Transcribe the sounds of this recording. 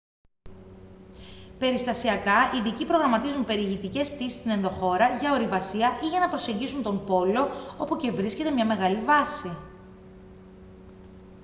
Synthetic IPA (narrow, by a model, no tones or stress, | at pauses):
pe̞ɾist̪ɐsiɐkɐiðicipɾo̞ɣɾɐmɐt̪izumpe̞ɾiʝit̪ice̞sp̚t̪isist̪ine̞nðo̞xo̞ɾɐʝɐo̞ɾivɐsiɐʔiʝɐnɐpɾo̞se̞ɲɟisunt̪o̞mpo̞lo̞opoce̞vɾisce̞t̪emɲɐme̞ɣɐlivɐsi